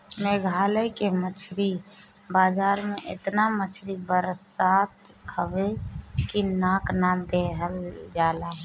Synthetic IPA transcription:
meɡʱaləjkemət͡ʃʰɾi | baːd͡ʒaɾmeʔḛt̪namət͡ʃʰɾibəɾsat̪hʰəbekinaknad̪eɦəld͡ʒalaɦũ

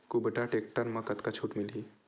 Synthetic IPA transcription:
kubəʈaʈek̚ʈəɾmɐkət̪kat͡ʃʰuːʈmili

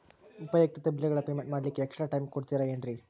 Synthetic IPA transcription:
upɐjɐk̚t̪ɐt̪ɐbilːiɡɐɭɐpeːmeɳʈmaːɽɐlikːeːksʈɾaːʈɐjmkoɽt̪iɾɐeɳɖɾi

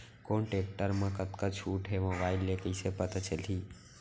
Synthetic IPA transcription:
koːɳʈeːk̚ʈəɾmãkət̪kat͡ʃʰuːʈɦemobaːɪlːekəɪsepət̪at͡ʃəliː

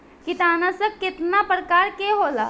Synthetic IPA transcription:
kɪt̪aːnasəkːɪt̪napɾəkaːɾkeɦoːla̰

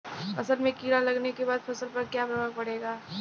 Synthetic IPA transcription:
ɐsəlmẽkiːɾalɐɡnekebaːd̪̚pʰɐsəlpɐɾkjabɾəmaɡ̚pɐɽ̤eːɡaː

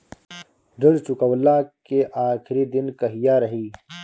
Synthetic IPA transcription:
ɖɐɽt͡ʃʊkəwlakeʔaːxɾid̪ɪnkɐɦijaːɾɐɦiː

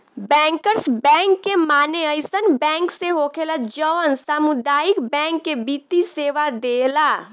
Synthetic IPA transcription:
bɛ̃ŋkəɾsbɛ̃ŋkːemaneəjsənbɛ̃ŋkseɦokʰeləd͡ʒəʋənsamud̪ajikbɛ̃ŋkːebit̪iseʋad̪ela

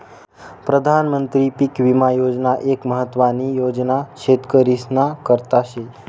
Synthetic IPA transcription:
pɾəd̪ʱanmənt̪ɾipikʋimajod͡ʒnaʔekməɦət̪ːʋanijod͡ʒnaʃet̪kəɾisnakəɾt̪aʃe

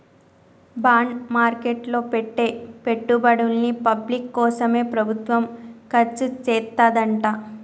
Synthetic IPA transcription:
baːɳɖmaːɾkeːʈlo̞ːpeʈːe̞ːpe̞ʈːubɐɽulːipɐblikːɔːsɐme̞ːpɾɐbʱut̪ʋɐmkɐɾt͡ʃːut͡ʃɛːt̪ːaːd̪ɐɳʈaː

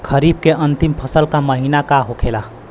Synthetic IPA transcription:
kʰəɾib̚keʔənt̪impʰəsəlkaməɦinakaɦokʰela

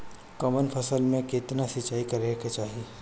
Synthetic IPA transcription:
kɐmənpʰɐsəlmẽkɪt̪nasɪt͡ʃːaːikɐɾeket͡ʃaːɦie

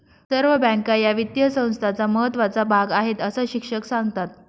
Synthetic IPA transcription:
səɾʋəbə̃ŋkajaʋit̪jəsə̃w̃st̪ʰat͡saməɦət̪ːʋat͡sabʱaɡaɦet̪əsəːɕikʂəksaŋɡt̪at̪̚

